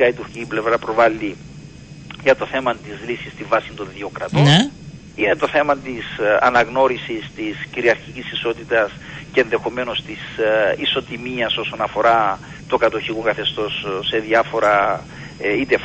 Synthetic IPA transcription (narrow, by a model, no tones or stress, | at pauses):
ɐit̪uɾçiciple̞vɾɐpɾo̞vɐlːi | ʝɐt̪o̞θe̞mɐt̪izlisist̪iɱvɐsind̪o̞nðiokɾɐt̪on | ine̞t̪o̞θe̞mɐt̪isɐ̰nɐɣno̞ɾisist̪isciɾiɐɾçicisiso̞t̪it̪ɐs | ceenðe̞xo̞me̞no̞st̪isiso̞t̪imiɐso̞so̞nɐfo̞ɾɐ | t̪okɐt̪oçikokɐθe̞st̪o̞sːe̞ðiɐfo̞ɾɐ | it̪ef